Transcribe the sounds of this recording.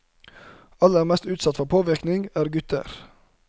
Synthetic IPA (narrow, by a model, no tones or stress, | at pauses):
ɑləæːɾmɛst̪ʉːt̪sɑt̪fɔpʰoːʋɪɾknɪŋæːɾɡʉt̪ə̰ɾ